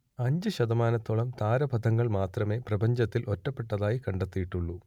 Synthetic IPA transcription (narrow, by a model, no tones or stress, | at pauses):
ɐɲd͡ʑɨɕɐd̪ɐmaːnɐt̪ːoɭɐmt̪aːɾɐbʱɐd̪ʱɐŋːɐɭmaːt̪rɐme̞ːprɐbɐɲd͡ʑɐt̪ːilʔo̞tːɐpːe̞ʈːɐðaːjikɐɳɖet̪ːijiʈːuɭːu